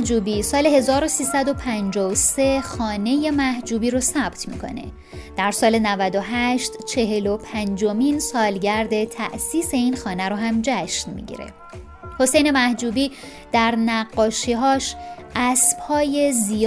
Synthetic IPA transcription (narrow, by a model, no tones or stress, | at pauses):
d͡ʒuːbiːsɒːle̞he̞zɒːɾo̞siːsæd̪o̞pʰænd͡ʒɒːose̞xɒːne̞je̞mæhd͡ʒuːbiːɾosæb̥t̪ʰmḭkʰo̞̰ne̞̰ | d̪̥æɾsɒːle̞nævæd̪o̞ɦæʃt̪t͡ʃʰe̞ɦe̞lo̞pʰænd͡ʒo̞minsɒːlɟæɾd̪e̞t̪ʰæ̰ʔsiːse̞iːnxɒːnæɾoɦæmd͡ʒæʃnmḭɟḭɾḛ | ho̞se̞jne̞mæhd͡ʒuːbiː | d̪̥æɾnæɡːɒːʃiːɦɒːʃʔæsb̥hɒːje̞zi